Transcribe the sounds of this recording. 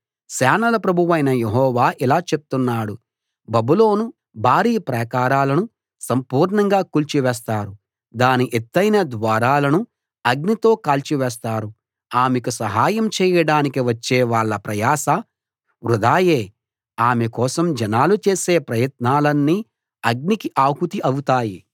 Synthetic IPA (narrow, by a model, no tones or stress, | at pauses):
saːnɐlɐpɾɐbʱuʋɐjnɐjeɦɔːʋaːʔilaːt͡ʃe̞pu̥t̪unːaːɽu | bɐbulo̞ːnu | bʱaːɾiːpɾɐkaːɾaːlɐnu | sɐmpuːɾɳɐŋɡaːkuːlt͡ʃiʋɛːs̬t̪aːɾu | d̪aːniʔet̪ːɐjnɐd̪ʋaːɾaːlɐnu | ɐɡnit̪o̞ːkaːlt͡ʃiʋɛːs̬t̪aːɾu | aːmekusɐɦaːjɐmt͡ʃɛːjɐɽaːnikiʋɐt͡ʃːeːʋaːɭːɐpɾɐjaːsɐ | ʋɾud̪aːje̞ː | aːmekɔːsɐmd͡ʒɐnaːlut͡ʃe̞ːse̞ːpɾɐjɐt̪̚naːlɐnːiː | ɐɡ̚nikiʔaːɦut̪iʔɐwut̪aːji